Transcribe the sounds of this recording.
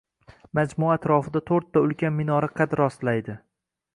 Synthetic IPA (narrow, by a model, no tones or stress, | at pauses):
mad͡ʒmuaːt̪ʰɾɒfɪd̪at̪ʰoɾt̪ʰːaʊlkʲanmɪnɒɾɪqʰɑt̪ɾɒst̪lajd̪ɪ